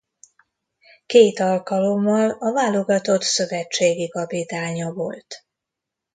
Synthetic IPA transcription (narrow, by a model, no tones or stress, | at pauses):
keːt̪ɒlkɒlo̞mːɒlɒvaːlo̞ɡɒt̪o̞t̪søvɛt͡ʃːeːɡikɒpit̪aːɲɒvo̞lt̪